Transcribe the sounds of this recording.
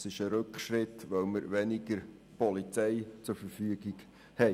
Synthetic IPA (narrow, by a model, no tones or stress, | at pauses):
sɪʃəɾɵkχʃɾɪt̪ʋœwməɾʋɛnɪɡəɾ | pɔlit͡sɛɪt͡sʊɾfəɾfyəɡɪɡ | hɛ